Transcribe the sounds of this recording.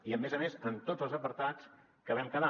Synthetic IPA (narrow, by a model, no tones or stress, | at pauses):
iəmezəmezənt̪od͡zəlˠzəpəɾt̪at͡s | kəβɛmkəða